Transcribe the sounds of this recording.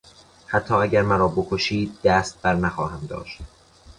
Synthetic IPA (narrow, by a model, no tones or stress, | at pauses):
hæt̪ʰːɒːæɟæɾmæɾɒːbokʰoʃiːd̪̚ːæːst̪̚b̥æɾnæxɒːhæmd̪ɒ̰ːʃt̪